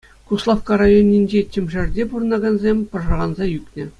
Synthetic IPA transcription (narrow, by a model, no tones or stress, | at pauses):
kuslˠɑfkɑɾɑjonʲːinʲd͡ʑetʲɘ̆mʲʐɘ̆rʲdʲepurɤ̆nɑɡɑnzʲemʲpɤ̆rʐɑʁɑnzɑjykʲnʲɘ̆